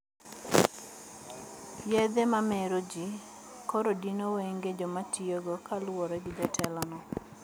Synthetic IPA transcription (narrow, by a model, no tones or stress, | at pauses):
jɛd̪emameɾod͡ʒi | kɔɾodinoweŋɡed͡ʒɔmatioɡɔkalwɔɾɛɡɪd͡ʒatʰɛlɔnɔ